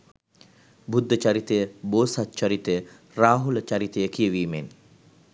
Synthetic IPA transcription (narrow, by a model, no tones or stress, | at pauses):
bud̪ʱːət͡ʃaɾit̪əjəboːsat̪ːt͡ʃaɾit̪ejə | raːɦulət͡ʃaɾit̪əjəkijəʋiːmen